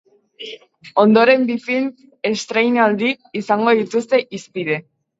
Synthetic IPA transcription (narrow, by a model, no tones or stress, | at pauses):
o̞nd̪o̞ɾe̞mbifin | e̞st̪ɾejnald̪iːsaŋɡo̞ðit̪ust̪e̞ʔispiðe̞